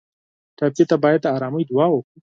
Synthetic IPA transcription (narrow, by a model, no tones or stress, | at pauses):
ʈ̪apjet̪abɑjad̪ːɑɾɑməjd̪ʊwɑwəkɽi